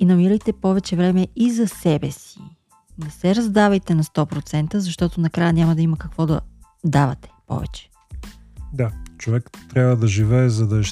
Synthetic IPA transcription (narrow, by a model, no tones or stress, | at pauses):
inɐmiɾəjt̪ɛpɔvɛt͡ʃɛvɾɛmɛizɐsɛbɛsḭ | nɛsɛɾɐzd̪avɐjt̪ɛnɐst̪ɔpɾot̪sɛnt̪əzɐʃt̪ɔt̪onɐkɾajənʲamɐd̪ɐimɐkɐkvɔd̪ɐ̰ | d̪avɐ̰t̪ɛ̥pɔ̰vɛ̰t͡ʃɛ̥ | d̪at͡ʃovɛkt̪ːɾʲabvəd̪ɐʒivɛːzɐd̪ɐɛʃ